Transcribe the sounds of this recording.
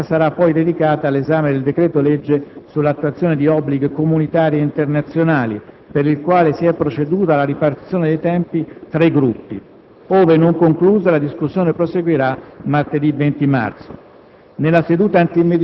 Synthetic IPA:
saɾapːɔjd̪ed̪ikaːt̪aːlːezaːmed̪eld̪ekɾɛːt̪oled͡ʒːesulːat̪ːuat̪sjoːned̪iɔbːliɡkomunit̪aːɾieint̪ernat̪sːjonaːli | peɾilkwaːlesiɛpːɾot͡ʃed̪uːt̪alaɾipart̪it̪sjoːned̪ejt̪ɛmpit̪ɾaiɡɾupːḭ | oːvenoŋkoŋkluːzalad̪iskusːjoːnepɾoseɡwiɾamart̪ed̪ivent̪ima̰rt̪so̰ | nelːased̪uːt̪aant̪imed̪

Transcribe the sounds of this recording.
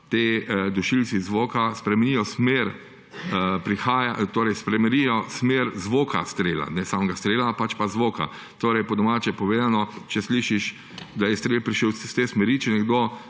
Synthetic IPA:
t̪ed̪uʃilt̪sizʋoːkaspɾɛmɛnijɔsmeːɾ | əpɾixaːjat̪oːɾɛjspɾɛmɛɾijɔsmeɾzʋoːkʰa̰st̪ɾeːla̰nɛsamɡast̪ɾeːlapat͡ʃpazʋoːka̰ | t̪oːɾɛjpɔd̪ɔmaːt͡ʃɛpɔʋeːd̪anɔt͡ʃɛsliːʃiʃ | d̪ajɛst̪ɾeːlpɾiʃəwst̪esmɛɾit͡ʃɛnɛɡd̪o

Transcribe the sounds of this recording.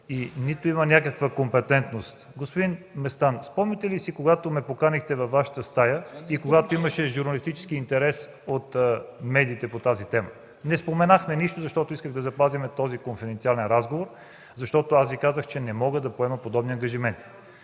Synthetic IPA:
init̪oimənʲakəkvəkompɛt̪ɛnt̪nost̪ɡospod̪inmɛst̪anspɔmnit̪ɛlisikoɡat̪omɛpokanixt̪ɛvɐfːaʃə̥t̪əst̪ajəikoɡat̪oiməʃɛʒuɾnɐlist̪it͡ʃɛ̥skiːnt̪ɛɾɛs | ot̪mɛd̪iːt̪ɛpot̪azit̪ɛmə̰ | nɛspomɛnaxmɛniʃt̪ozɐʃt̪ɔt̪ʊiskəɣd̪ɐzɐpazimɛt̪ɔzikonfɛd̪ɛnt̪sialɛnɾazɡovoɾ | zɐʃt̪ɔt̪oasvikazəxt͡ʃɛnɛmɔɡəd̪ɐpoɛmɐpod̪ɔbniɐŋɡəʒimɛnt̪i̥

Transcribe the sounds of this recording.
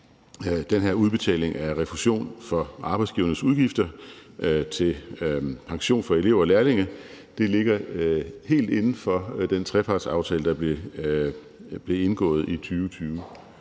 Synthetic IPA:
d̥enɦeɐuð̞ˠb̥e̝t͡sʰɛ̰ːle̝ŋʔæʁɛfuɕo̝̰ːnfɒ̽ʔɑ̈ːb̥ɑ̈ɪdsɡ̥iːʊɐnəsuðˠɡ̥ifd̥ɐʔt͡sʰe̝lpʰɑ̈ŋɕo̝̰ːnfɒ̽e̝le̝ʊ̰ɒlæːɐle̝ŋə | d̥e̝le̝ɡ̥ɐhe̝̰ːld̥e̝nn̩fɒ̽d̥ent͡sʰʁɛpʰɑ̈ːd̥sɑ̈ʊt͡sʰɛ̰ːləd̥ɑ̈b̥e | b̥le̝e̝nɡ̥ɔ̰̽ːð̞̩ˠit͡sʰyːʊt͡sʰyːʊ

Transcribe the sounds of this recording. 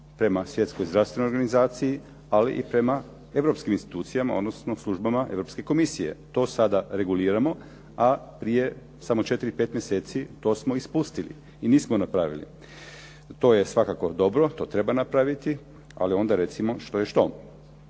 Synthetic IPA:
pɾe̞masʋje̞t̪skojzd̪ɾast̪ʋenojoɾɡanizaːt̪siji | alḭʔipɾe̞ma | e̞ʋɾo̞pskiminst̪i̥t̪uːt̪sijamao̞d̪nosnoslˠuʒbamaʔe̞ʋɾo̞pske̞ko̞misije̞̰t̪o̞ːsad̪aɾe̞ɡuliːɾamo̞ | apɾije̞ | samo̞t͡ʃe̞t̪iɾipe̞ːt̪mjeseːt̪sit̪o̞ːsmo̞ispust̪ilḭ | iniːsmonapɾaʋḭlḭ | t̪o̞ːje̞sʋakako̞d̪o̞bɾo̞t̪o̞ːt̪ɾe̞banapɾaʋit̪i | a̰lio̞nd̪aɾe̞t̪simo̞ʃt̪o̞jeʃt̪o̞

